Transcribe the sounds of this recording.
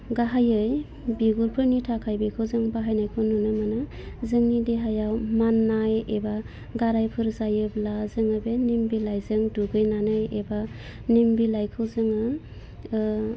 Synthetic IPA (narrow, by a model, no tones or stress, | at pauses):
ɡaɦajɯj | biɡuɾpʰɯnitʰakʰajbikʰɯwzɯŋbaɦajnajkʰɯwnunɯmanɯ | zɯŋnideɦajawmanːajeba | ɡaɾajpʰɯɾzajɯblazɯŋɯbenimbilajzɯŋduɡɯjnanɯjeba | nimbilajkʰɯwzɯŋɯ